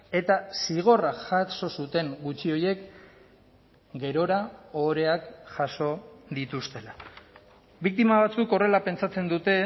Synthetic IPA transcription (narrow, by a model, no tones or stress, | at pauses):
e̞t̪asiɣ̞o̞raʝaso̞sut̪e̞ŋɡut͡ʃio̞je̞k | ɡe̞ɾo̞ɾaoɾe̞akʝaso̞d̪it̪ust̪e̞la | βik̚t̪imaβat͡suko̞re̞lape̞nt͡sat͡se̞nd̪ut̪e̞